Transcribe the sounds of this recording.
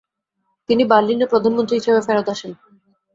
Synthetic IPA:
t̪iniballːinːopɾod̪ʱanmõnt̪ɾiɦiʃebefɛɾot̪aʃen

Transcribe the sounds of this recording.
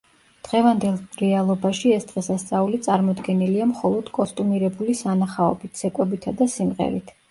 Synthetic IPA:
d̪̥ʁɛvand̪ɛlˠɾɛalˠɔbaʃiɛsd̪ʁɛsast̪sʼaulit̪sʼaɾmɔd̪ɡɛniliamχɔlˠɔd̪̥kʼɔst̪ʼumiɾɛbulisanaχaɔbit̪ʰsɛkʼwɛbit̪ʰad̪asimʁɛ̰ɾit̪ʰ

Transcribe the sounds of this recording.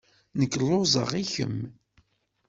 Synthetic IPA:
nəkːlːozˤə̰ʁiçə̰m

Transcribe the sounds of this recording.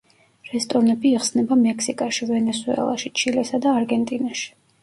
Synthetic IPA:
ɾɛst̪ʼɔɾnɛbiːχsnɛbamɛkʰsikʼaʃivɛnɛsuɛ̰lˠa̰ʃit͡ʃʰilɛsad̪aːɾɡɛnt̪ʼinaʃi̥

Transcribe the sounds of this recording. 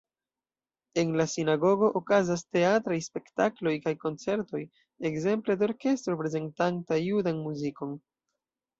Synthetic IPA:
e̞nlasinaɡo̞ɡo̞ʔokazaste̞atɾajspe̞ktaklo̞jkajko̞nt͡se̞ɾto̞j | ekze̞mple̞deoɾke̞stɾopɾe̞ze̞ntantajudanmuziko̞n

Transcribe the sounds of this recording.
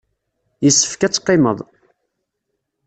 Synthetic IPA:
jəsːə̥fkæt͡sːqːeməðˤ

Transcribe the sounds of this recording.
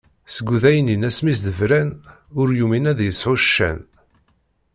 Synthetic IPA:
səɡʷːuðæjəninæsmisd̪əvɾænʊɾjuminæðjəsħʊʃːæ̰n

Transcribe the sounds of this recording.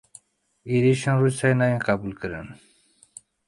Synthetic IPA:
iɾiɕãnɾusajnajẽqabulkəɾə̰n

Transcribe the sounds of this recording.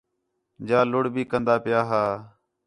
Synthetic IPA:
d͡ʒaːlʊɽbʱiːkənd̪aːpɪjaːɦaː

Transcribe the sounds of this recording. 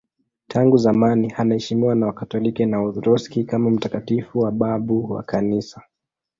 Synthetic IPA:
tʰaŋɡuzamanihanahɛʃimiwanawakatɔlikɛnaɔɾɔskikamam̩takatifuwaɓaɓuwa̰kanisa

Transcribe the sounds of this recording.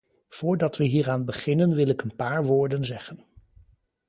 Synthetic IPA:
v̥ʊːɹdɑtʋəɦiːraːnbəχɪnənʋɪlɪkənpaːɹʋʊːɹdənzɛχən

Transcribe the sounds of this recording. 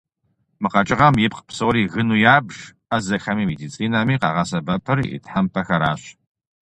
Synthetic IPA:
mɨqɐt͡ʃʼɪʁɐmjɪp̚qpsowɾiːɣɨnuːjaːbʐ̥ | azɐxɐmimedit͡sʼiːnamiːqɑ̰ʁɐsɐbɐpʰɐrḭtħampʰɐxɐɾaːɕ

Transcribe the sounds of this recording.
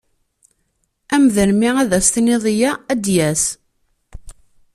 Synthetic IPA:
æmðəlmiæðæst̪niðˤjææd̪jæs

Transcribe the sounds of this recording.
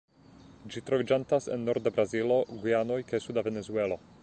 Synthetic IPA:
d͡ʒitɾovid͡ʒantasḛnːo̞ɾd̪abɾazilo̞ɡiano̞jkajsudavenezue̞lo̞

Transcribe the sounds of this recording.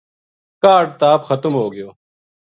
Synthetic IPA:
kaːɖ̚t̪aːbxɐt̪mɦoːɡijoː

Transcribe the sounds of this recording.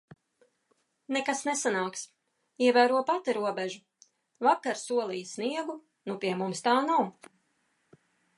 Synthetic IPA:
nɛkasnɛsanaːks | iɛvæːɾuɔpat̪iɾuɔbɛʒu | vakaɾsuɔlˠijsniɛɡu | nupiɛmumst̪aːnaw

